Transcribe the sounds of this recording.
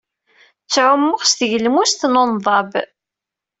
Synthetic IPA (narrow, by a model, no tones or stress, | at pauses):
t͡sːʕʊmːʊχst̪ʝəlmust̪nonðˤɑb